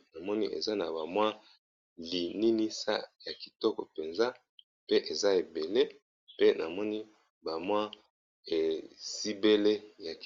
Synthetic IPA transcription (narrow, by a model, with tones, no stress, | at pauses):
na˨mɔ˦ni˦ʔḛ˨za˦na˨ba˨mwa˦ | li˨ni˦ni˦sa̰˦ja˨ki˨tɔ˦kɔ˨pe˨nza˦ | pe˦ʔe˨za˦e˨be˨le˦ | pe˦na˨mɔ˦ni˦ | ba˨mwa˦ | e˨si˦be˦le˦ja˨k